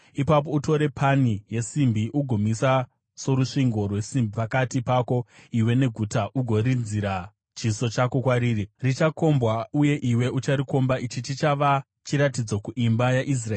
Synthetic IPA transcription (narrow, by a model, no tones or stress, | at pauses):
ipap̬o̞uto̞ɾe̞pʰanije̞simbiʔuɡʱomisa | so̞ɾuʂiŋɡo̞rwe̞simbʱipakatipako̞iwe̞ne̞ɡʱutaʔuɡʱo̞ɾinziɾa | t͡ʃiso̞t͡ʃako̞kwaɾiːririt͡ʃako̞mbwauje̞ʔiwe̞ut͡ʃaɾiko̞mbait͡ʃit͡ʃit͡ʃaʋa | t͡ʃiɾatid͡zo̞kuʔimbajaʔis̬raeː